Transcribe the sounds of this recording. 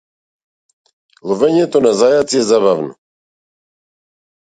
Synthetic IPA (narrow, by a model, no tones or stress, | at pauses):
luvɛɲɛt̪ɔnazajat͡sjɛzabavnṵ